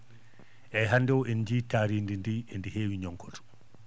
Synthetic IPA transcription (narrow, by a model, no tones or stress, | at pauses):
ʔɛjɦandɛwɛnd͡ʒiːtaːɾindindiɛndiheːwiɲɔŋkʰɔtɔ̥